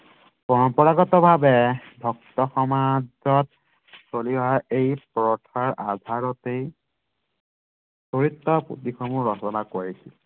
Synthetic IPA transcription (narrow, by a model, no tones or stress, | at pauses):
pɔɹɔmpɔɹaɡɔtɔbʱabɛbʱɔk̚tɔxɔmazɔt̚ | soliɔɦaɹejpɹɔtʰaɹʔadʱaɹɔtej | soɹitːɔpṵtixʰɔmuɹɔsɔnakoɹisḭl